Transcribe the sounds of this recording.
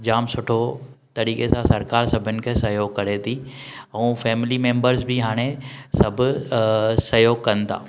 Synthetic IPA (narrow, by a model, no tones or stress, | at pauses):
d͡ʑaːmsʊʈʰot̪ɐɾiːkesãsɐɾkaːɾsɐbʱɪnɪ̆kʰeːsɐjoːɡ̚kɐɾet̪ʰiɛ̃ːfɛːmlimẽːmbəɾzbiɦaːɽ̃esɐbʱʊ | sɐjoːɡ̚kɐnɪ̆t̪ʰa̰ː